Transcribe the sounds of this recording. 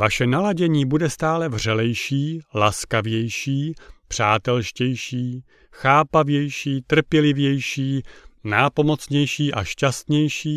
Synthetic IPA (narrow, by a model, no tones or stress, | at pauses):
vaʃɛnalaɟɛɲiːbudɛst̪aːlɛvr̝ɛlɛjʃiːlaskavjɛjʃiːpr̥aːt̪ɛlʃcɛjʃiː | xaːpavjɛjʃiːt̪r̩pjɛlɪvjɛjʃiːnaːpo̞mo̞t͡sɲɛjʃiːʔa̰ʃcast̪ɲɛjʃiː